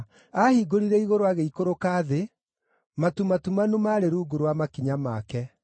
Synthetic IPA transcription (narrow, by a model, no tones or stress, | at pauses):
ahiɡoɾiɾɛiɣoɾoaɣeikoɾokaːðe | matumatumanumaɾeɾuːɡuɾwamakiɲamakɛ